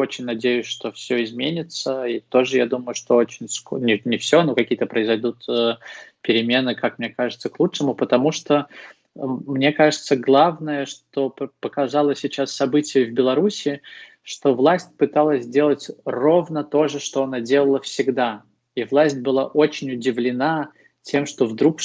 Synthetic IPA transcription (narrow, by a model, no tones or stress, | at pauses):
o̞t͡ɕɪnʲnɐdʲejʉsʲʂt̪o̞fsʲoɪzmʲenʲɪt̪səit̪o̞ʐɨjad̪uməjʊʂt̪o̞ot͡ɕɪnʲsknʲɪnʲɪfsʲonokɐkʲijət̪əpɾəɪzɐjd̪ut̪əpʲɪɾʲɪmʲe̞nɨkakmnʲekaʐɨt̪səklˠut͡ʂʂɨmʊpət̪ɐmuʂt̪o | mnʲe̞kaʐɨt̪səɡlˠavnəjəʂt̪o̞pəkɐzalˠəsʲːɪt͡ɕasːɐbɨtʲɪjəvbʲɪlˠɐɾusʲɪ | ʂt̪o̞vlˠasʲt̚ʲpɨt̪alˠəsʲdʲe̞lˠətʲro̞vnət̪o̞ʐɨʂt̪o̞ɐnadʲe̞lˠəlˠəfsʲɪɡd̪a | ivlˠasʲt̚ʲbɨlˠaʔot͡ɕɪnʲʊdʲɪvlʲɪna | tʲe̞mʂt̪o̞vd̪ɾuk